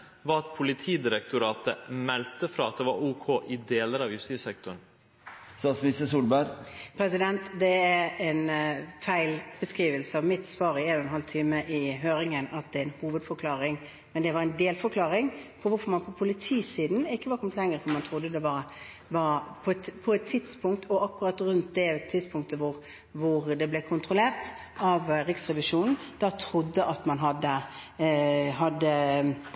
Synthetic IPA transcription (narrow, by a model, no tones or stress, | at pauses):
ʋɑɑt̪pʰʊlɪt̪ʰiːd̪ɪɾɛkt̪ʊɾɑːt̪ə̰mɛlt̪əfɾɑːɑt̪̚d̪ɛʋɑ̰ɾuːkʰoːʔɪd̪eːləɾɑʋjʉst̪ɪsɛk̚t̪ʊn | st̪ɑsmɪst̪əsuːlbæɾpʰɾɛsɪd̪ɛnt̪d̪ɛæɾɛnfæɪlb̥əskɾiːʋəlsəɑʋmɪt̪sʋɑːɾɪeːnɔɛnhɑlt̪ʰiːməʔɪɦøːɾɪŋənɑt̪̚d̪ɛɛnhuːʋəd̪fɔɾkʰlɑːɾɪŋ | mɛnd̪ɛʋɑɾɛnd̪eːlfɔɾkʰlɑːɾɪŋpʰɔʋʊfɔɾmɑnpʰɔpʰʊlɪt̪ʰiːsiːd̪n̩ɪkːəʋɑɾkʰɔmət̪lɛŋːəɾfɔɾmɑnt̪ʰɾʊd̪ːəd̪ɛʋɑɾə | ʋɑɾpʰɔɛt̪pʰɔɛt̪ʰːɪd̪spʰʊŋkt̪ʰɔɑkːʉʁɑt̪ɾʉnt̪̚d̪ɛɛt̪ʰːɪd̪spʰʊŋk̚t̪əʋʊʁ | ʋʊʁd̪ɛblɛkʰʊnt̪ʰɾʊleːʁt̪ | ɑʋɾɪksʁɛʋɪʂuːnn̩d̪̥ɑt̪ʰɾʊd̪ːəʔɑt̪mɑnɦɑd̪ːə | ɦɑd̪ːə